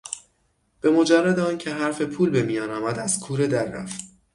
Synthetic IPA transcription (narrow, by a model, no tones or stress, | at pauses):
b̥e̞mo̞d͡ʒærːæd̪eɒːncʰe̞ɦæɾfe̞pʰuːlbe̞mijɒːnɒːmæd̪æz̥kʰuːɾe̞d̪æɾːæ̰ft̪